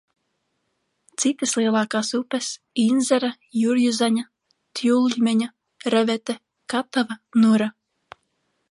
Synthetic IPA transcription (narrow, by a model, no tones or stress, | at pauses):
t̪sit̪ɨslˠiɛlˠɑːkaːsupɛs | inzʲɛɾa | juɾjuzaɲa | t̪julˠʎʲmʲɛɲa | ɾɛvɛt̪ɛ | kat̪avanuɾa